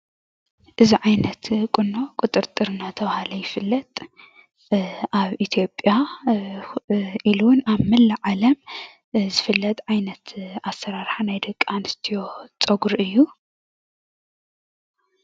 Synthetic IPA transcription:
ʔɨziʕajnɐt̪kʼɨnːo̞kʼʊt̪ʼɨɾt̪ʼɨɾɨnat̪ʰɐβhalɐjɪfɨlːɐt̪ʼ | ʔaβʔit̪ʰijo̞pʼja | ʔiluwnaβmɨlːaʕalɐm | zɨfɨlːɐt̪ʼʕajnɐt̪ʰasɐɾaɾħanajd̪ɐkʼːanɨst̪ʰijo̞t͡sʼɐɡɾʔɨjːu

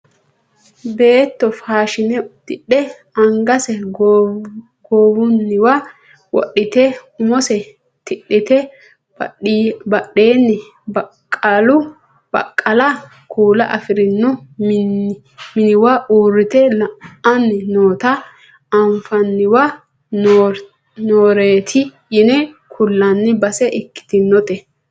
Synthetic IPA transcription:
be̞ːt̪ːɔfaːʃɪnɛd̪ɪɗːɛ | ɐŋɡɐsɛ | ɡoːwʊnːɪwa | wɔ̰ɗːɪt̪ɛʊmɔsɛ | t̪ɪɗːɪt̪ɛ | bɐɗe̞ːnːɛ | bɐ | kʼːalʊ | b̥ɐ̰kʼːɐlɐ | kʰuːlɐʔɐfɪɾɪnːʊ | mɪnɪwaʔuːrːɪt̪ɛlɐɐnːɪnoːt̪ɐ | ɐɱfɐnːɪwa | noːɾeːt̪ʰɪ | jɪnɛ | kʰʊlːɐnːɪbɐsɛʔɪkːɪ̥t̪ɪnːɔt̪ɛ

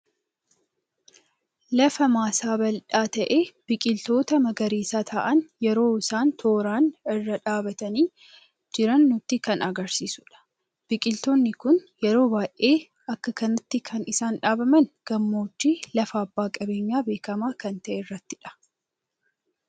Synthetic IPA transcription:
lɐfɐmaːsaːbɐlᶑaːt̪ɐʔeːb̥ɪkʼɪlt̪o̞ːt̪ɐmɐɡɐɾiːsaːt̪ʰaːʔɐnjɛɾo̞ːɪsaːnt̪ʰo̞ːɾaːnɪrːɐᶑaːbɐt̪ɐniː | d͡ʒɪɾɐnːʊt̪ːɪkɐnɐɡɐɾsiːsʊᶑɐ̥ | b̥ɪkʼɪlt̪oːnːɪkʊnjɛɾo̞ːbaːjʔʔe̞ː | ɐkːɐkɐnɐt̪ːɪkʰɐnɪsaːnᶑaːbɐmɐnɡ̥ɐmːo̞ːt͡ʃːiːlɐfɐːbːaːkʼɐbe̞ːɲːaːbe̞ːkɐmaːkɐnt̪ɐʔɛrːɐt̪ːɪᶑɐ̥

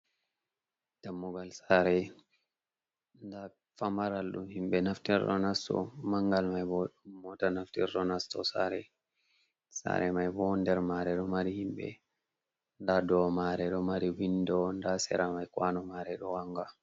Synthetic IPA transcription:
d̥amːuɡalsaɾɛ | nda | famaɾalɗṵmhimɓɛnaftiɾrɔ̰nastɔ̰maŋɡalmajbɔɗumːɔtanaftiɾːɔnastɔ̰sa̰ɾɛ | sa̰ɾɛmajbɔndɛɾmaɾɛɗɔmaɾihimɓɛ̰ | ndadɔmaɾɛɗɔmaɾiwindɔndasɛ̰ɾamajkwanɔmaɾɛɗɔwaŋɡa

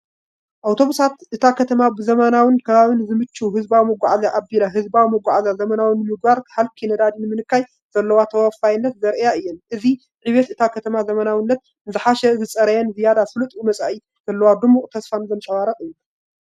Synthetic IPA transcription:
ʔawt̪ʰo̞βusat̪ʔɨt̪ʰakʰɐt̪ʰɐmabɨzɐmɐnawɨnkʰɐβaβinzɨmɨt͡ʃːuɦɨzbawimɨɡʷaʕazaʔabilaɦɨzbawimɨɡʷaʕazazɐmɐnawɨnːɨmɨɡ̚baɾkħalkʰinɐd̪ad̪inɨmɨnɨkːaj | z̥ɐlːɐwat̪ʰɐwafajɪnːɐt̪zɐɾjaɨjːɛnʔɨzi | ʕiβɛt̪ɨt̪ʰakʰɐt̪ʰɐmazɐmɐnawɨnːɐt̪̚ | ɨzɨħaʃɛzɨt͡sʼɐɾɐjɛnzɨjad̪asɨlɨt̪ʼjumɐt͡sʼaʔi | z̥ɐlːɐwad̪ɨmuχʼt̪ʰɐsfanzɐnt͡ʃʼɐwaɾɐqʼɨju

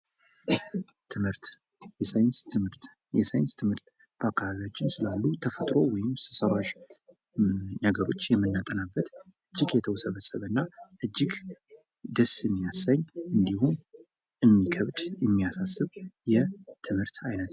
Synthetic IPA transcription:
t̪ʰɨmhɨɾt̪ | jɛsajɪnst̪ɨmɨɾt̪ | jɛsajɪnst̪ʰɨmhɨɾt̪ | b̥əakʰːaβaβijat͡ʃːɪnsɨlalːut̪ʰəfət̪ʼɾo̞wɔjɪmsɨsəɾaʃ | nəɡəɾo̞t͡ʃːjɛmːɨnːat̪ʼənabːət̪ʔɨd͡ʒːɪɡjɛt̪ʰəwsəβəsəβənːaʔɨd͡ʒːɪɡ | d̪əsɨmːijasaɲːɨnd̪ihun | ʔɨmːikʰəβd̪jɛmːijasasːɨβjɛt̪ʰɨmhɨɾt̪ajnət̪

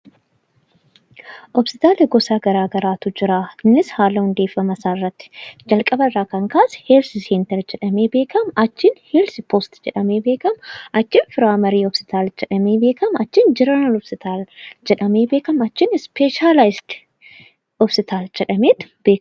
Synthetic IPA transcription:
ʔɔbsɪt̪aːleɡɔsaːɡɐɾaːɡɐɾaːt̪ʊd͡ʒɪɾaːnːɪshaːlɐhʊnd̪e̞ːfːɐmɐsaːɪrːɐt̪ːɪ̥d͡ʒɐlkʼɐbɐrːaːkɐŋkaːsɛ̥heːlsɪseːnt̪ɐɾd͡ʒɛᶑɐmeːbe̞ːkɐmɐt͡ʃːɪnheːlspʰoːst̪d͡ʒɛᶑɐmeːbe̞ːkɐmʔɐt͡ʃːɪnfɪɾaːmɐɾiːɔbsɪ̥t̪aːld͡ʒɛᶑɐmeːbe̞ːkɐmɐt͡ʃːɪnd͡ʒɪɾɐnɐnɔbsɪt̪ʰaːld͡ʒɛᶑɐmeːbeːkɐmɐt͡ʃːɪnɪspeːʃaːlajɪsd̪̥ | ɔbsɪt̪ʰaːld͡ʒɛᶑɐmeːt̪b̥eː

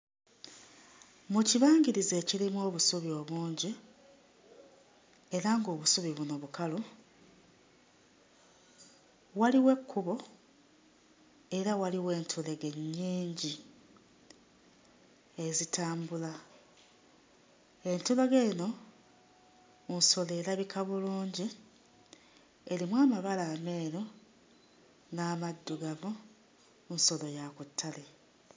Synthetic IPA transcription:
muciβaːŋɡiɾize̞ːcilimwo̞ːβusuβio̞ːβuːɲɟi | e̞ɾaŋɡo̞ːβusuβiβuno̞βukalu | waliwe̞kʰːuβo̞ | e̞ɾawaliwe̞ːntʰule̞ɡe̞ɲːiːɲɟi | e̞zitaːmbula | e̞ntuleɡeno̞ | unso̞le̞laβikʰaβuluːɲɟi | e̞limwaːmaβalaːme̞ːɾo | naːmadːuɡamu | nso̞lo̞jakutʰːale̞

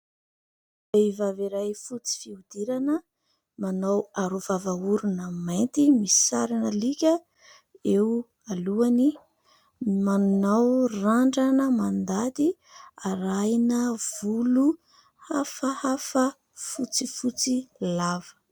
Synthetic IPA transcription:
bejvaviɾajfut͡si̥fiud̪̥iɾanə | manawaɾuvavauɾunəmajnt̪imisi̥saɾanəlikʲə | ew | aluani | manunawraɳɖ͡ʐanəmand̪ad̪i | aɾajnəv̥ulu | hafəhafə | fut͡sifut͡silavə̥

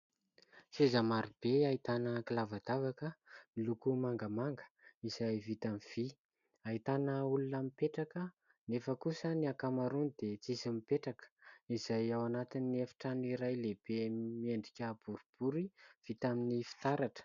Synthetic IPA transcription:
sezəmaɾib̥eait̪anəkilavad̪avakəmilukumaŋɡəmaŋɡə̥iz̥ajvit̪amiv̥i | ait̪anəulunamipeʈ͡ʂakə | nefəkusəniakamaɾunid̪et͡sisimipeʈ͡ʂakə̥iz̥ajawanat̪inːiefi̥ʈ͡ʂaniɾajleb̥emieɳɖ͡ʐikʲəb̥uɾub̥uɾiv̥it̪aminifi̥t̪aɾaʈ͡ʂə̥

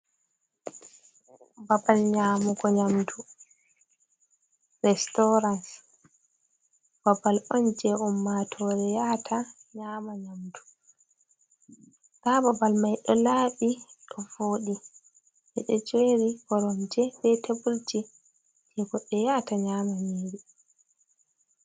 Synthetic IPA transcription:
babalɲaːmuɡɔɲamtu | ɾɛstɔɾans | b̥abalɔnd͡ʒɛumːatʰɔɾɛjatʰaɲamaɲamdu̥ | kababalmajɗɔlaɓiɗɔvoːɗi | ɗɛɗɔd͡ʒeɾikɔɾɔmd͡ʒɛɓɛtebult͡ʃi | hɛɡɔɗːɛjataɲaːmamiːɾi

